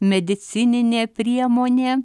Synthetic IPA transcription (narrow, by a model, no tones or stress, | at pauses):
mʲɛd̪ʲɪt̪sʲɪnʲɪnʲeːpʲɾʲiɛmoːnʲeː